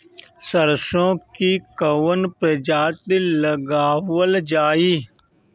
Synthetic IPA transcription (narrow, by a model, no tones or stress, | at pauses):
səɾsõːkiːkəʋənped͡ʒaːt̪iləɡaːʋəld͡ʒaːiː